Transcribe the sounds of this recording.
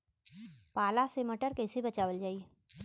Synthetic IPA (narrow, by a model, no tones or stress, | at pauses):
paːlaseməʈəɾkɛːsebɐt͡ʃaːʋəld͡ʒaːi